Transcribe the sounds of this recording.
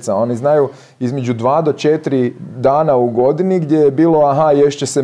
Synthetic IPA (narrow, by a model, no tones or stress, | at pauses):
t̪sao̞niznaju | izme̞d͡ʑud̪ʋaːd̪o̞t͡ʃet̪ɾid̪aːnauɡo̞d̪iniɡd̪je̞jebiːlˠo̞aɦajeʃt͡ɕese